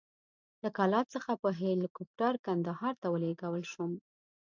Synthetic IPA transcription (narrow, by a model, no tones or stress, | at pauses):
ləkalɑt̪t͡səxapəɦelikup̚ʈaɾkand̪ahɑɾt̪awəleɡawəlʃum